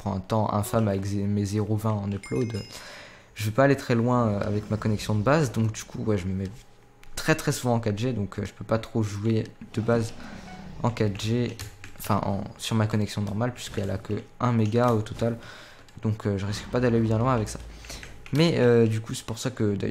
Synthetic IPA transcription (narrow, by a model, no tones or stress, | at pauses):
əpχɑ̃ɛ̃t̪ɑ̃ʔɛ̰̃famavɛkzemezeʁovɛ̃ɑ̃neplod̪ | ʒ̥əvøpaːlet̪χɛlwɛ̃øa̰vɛkmakɔnɛksjɔ̃d̪əbazd̪ɔ̃kd̪ykʰuwɛʒəməmɛ | t̪χɛt̪χɛsuvɑ̃ːkad̪ʒed̪ɔ̃kʰøʒəpøpat̪χoʒued̪̥əbaz | ɑ̰̃kad̪ʒeɑ̃fɛ̰̃ʔɑ̰̃syʁmakɔnɛksjɔ̃nɔʁmalpɥiskəɛla̰kəɛ̃meɡaot̪ɔt̪al | d̪̥ɔ̃kʰøʒəʁiskə̥pad̪alebjɛ̃lwɛ̃avɛksḁ | mɛød̪ykusɛ̥puʁsakəd̪a̰j